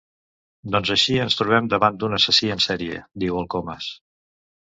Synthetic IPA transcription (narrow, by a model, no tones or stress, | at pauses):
d̪ɔnzəʃiənst̪ɾuβɛmd̪əβand̪unəsəsiənsɛɾiə̰d̪iwəlˠkoməs